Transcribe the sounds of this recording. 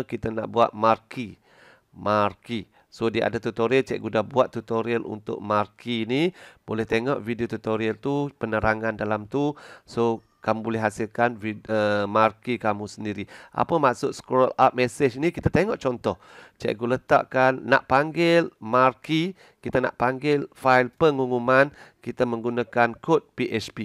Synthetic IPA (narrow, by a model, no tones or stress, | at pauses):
kit̪ana̰ʔbuat̪̚marki | marki | sodiəʔa̰dat̪ut̪oɾilt͡ʃɛ̰ʔɡudahbuat̪ːut̪oɾiəlṵnt̪ʊ̰ʔmarkʰinibolɛht̪eŋɔʔvidiot̪ut̪oɾiəlt̪upənəɾaŋandalamt̪uso | kamubolɛɦːasilkanviəmarkikamusəndiɾiʔa̰pəmaʔsʊʔsə̥kɔla̰p̚mesət͡ʃnikit̪at̪eŋɔʔt͡ʃɔnt̪ɔht͡ʃɛ̰ʔɡulət̪a̰ʔkanːaʔpaŋɡɪlmarki | kit̪ana̰ʔpaŋɡɪlfailpəŋuŋumankit̪aməŋɡunakankot̪̚piʔɛt͡ʃpi